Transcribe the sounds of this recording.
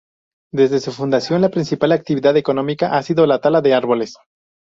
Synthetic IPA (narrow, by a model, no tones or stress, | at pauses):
d̪e̞zðe̞sufund̪asjo̞nlapɾinsipalak̚t̪iβiðaðe̞ko̞no̞mikaʔasiðo̞lat̪alaðe̞aɾβo̞le̞s